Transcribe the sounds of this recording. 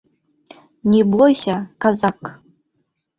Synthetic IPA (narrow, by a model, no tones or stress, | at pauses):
nʲibɔjsʲɐkazak